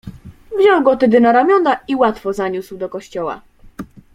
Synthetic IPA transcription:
vʑɔwɡɔt̪ɛd̪ɘnaɾamʲjɔnaiwat̪fɔzaɲuswd̪ɔkɔɕt͡ɕɔwa̰

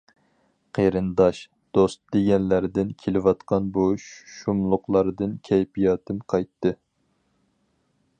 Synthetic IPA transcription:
qʰeɾɨnd̪ɑʃ | d̪̥ost̪d̪eɡʲɛnlæɾd̪ɪnkʲʰelɪwɑt̪qʰɑnbuʃumlˠʊqlˠɑɾɨd̪ɨnkʲʰɛjpijɑːt̪ʰɨmqʰɑjt̪ːɨ

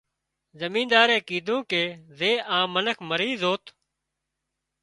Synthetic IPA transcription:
zəmĩːnd̪aːɾẽːkiːd̪ũːkeːzeːʔãːmənəkʰməɾiːzoːt̪

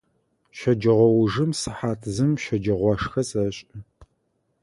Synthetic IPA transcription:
ɕɐd͡ʒɐʁʷɔwʊʐɨmsɨħaːtʰzɨmʃɐd͡ʒɐʁʷɑʂxɐsɐɕʼɐ

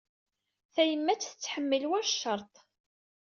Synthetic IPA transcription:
θæjəmːæt͡sːθət͡sːħəmːəlwæɾʃːɑɾˤt̪ˤ

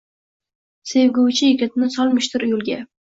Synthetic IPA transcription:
sevɡʊwt͡ʃʰɪjekʲʰɪt̪nɪsɒlˠmɪʃt̪ʰɪɾjʊlˠɡʲa

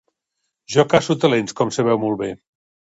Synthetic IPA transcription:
ʒɔkasut̪əlenskɔmsəβɛwmɔlˠβe

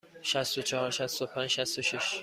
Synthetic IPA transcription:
ʃæst̪ot͡ʃʰɒhɒɾʃæst̪opʰænd͡ʒʃæst̪oʃiʃ

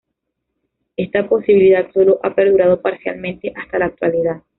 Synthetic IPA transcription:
e̞st̪apo̞siβiliðad̪so̞lo̞ʔape̞ɾðuɾað̞o̞paɾsja̰lmẽnt̪e̞ʔast̪alaːk̚t̪waliðað

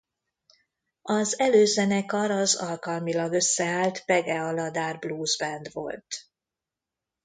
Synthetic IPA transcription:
ɒzɛløːzɛnɛkɒɾɒzɒlkɒlmilɒɡø̞sːɛaːlt̪pɛɡɛɒlɒd̪aːrbluːzbɛnd̪ʋo̞̰lt̪

